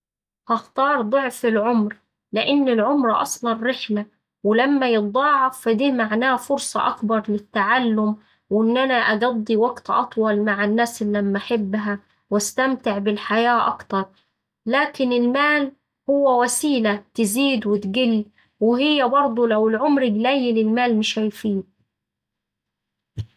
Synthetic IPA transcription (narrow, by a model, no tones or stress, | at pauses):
hɑxt̪ɑːɾˤd̪ˤoʕfɪlʕʊmɾ | lɪʔɪnːɪlʕʊmɾʔɑ̰sˤlɑnɾɪħla | wɪlamːajɨd̪ˤɑːʕɑfd̪iːmaʕnaːfʊɾsˤɑʔɑkbɑɾˤlɪt̪ːaʕalːʊm | wʔɪnːʔanaʔaɡɑd̪ˤːiwɑɡt̪ʔɑt̪ˤwɑlmaʕanːaːsɪlːæmːʔaħɪbːɦæ | wæst̪amt̪ɪʕbɪlħajaːʔɑkt̪ɑɾˤ | laːkɪnɪlmaːl | hʊwːæwæsiːlæt̪ɪziːd̪wɪt̪ɡɪlː | wɪhɪjːæbɑɾˤd̪ˤulæwɪlʕʊmɾɪɡlæjɪlɪlmaːlmɪʃæjfiːn